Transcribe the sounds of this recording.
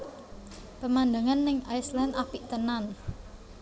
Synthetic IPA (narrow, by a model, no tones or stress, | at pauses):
pəmand̪əŋanːɪŋajslɛnapiʔt̪ənan